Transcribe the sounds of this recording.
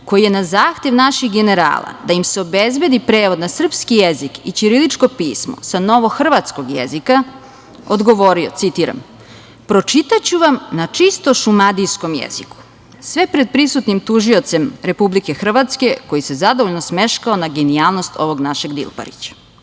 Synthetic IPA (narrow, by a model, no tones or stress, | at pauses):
ko̞jije̞nazaːxt̪e̞ʋnaʃixɡe̞ne̞ɾa̰ːlˠa̰d̪ajimseo̞bezbe̞d̪ipɾe̞ːʋo̞d̪nasr̩pskijezikit͡ɕiɾilit͡ʂko̞piːsmo̰sano̞ʋo̞xr̩ʋat̪sko̞ɡjḛzika | od̪ɡo̞ʋo̞ɾio̰t̪sit̪iːɾa̰m | pɾo̞t͡ʃit̪at͡ɕuʋamnat͡ʂist̪o̞ʃumad̪ijsko̞mjḛzḭku̥ | sʋepɾed̪̚pɾisut̪nimt̪uʒio̞t̪se̞mɾe̞publike̞xr̩ʋat̪ske̞ko̞jise̞zad̪oʋoʎnosmeʃkaonaɡeniaːlˠno̞st̪o̞ʋo̞ɡnaʃe̞ɡd̪ḭlˠpa̰ɾḭt͡ɕḁ